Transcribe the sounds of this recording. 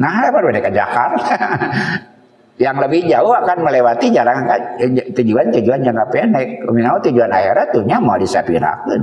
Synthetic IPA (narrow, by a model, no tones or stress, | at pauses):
naɦapaɾubadɛkad͡ʒa̰kan | jaŋləbɪhd͡ʒaʊhakanməlewat̪id͡ʒaɾaŋankat̪ud͡ʒuant̪ud͡ʒuanjaŋapɛnɛminaut̪ud͡ʒuana̰hiɾat̪uɲamaadisapiɾa̰kən